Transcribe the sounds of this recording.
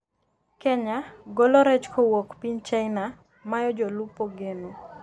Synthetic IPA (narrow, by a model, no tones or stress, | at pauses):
kɛɲaɡolɔɾɛt͡ʃkowokpiɲt͡ʃaɪna | majɔd͡ʒɔlupoɡenu